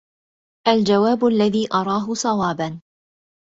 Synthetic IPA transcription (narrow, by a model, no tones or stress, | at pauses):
ʔald͡ʒawaːbʊalːaðiːʔɑɾˤɑːɦʊsˤɑwaːban